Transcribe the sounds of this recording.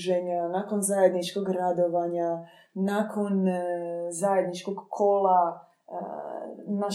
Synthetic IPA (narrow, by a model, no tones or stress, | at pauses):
ʒeɲanako̞nzaje̞d̪nit͡ʃko̞ɡɾad̪o̞ʋaɲa | nakʰo̞n | zajed̪nit͡ʃkoɡkʰola | na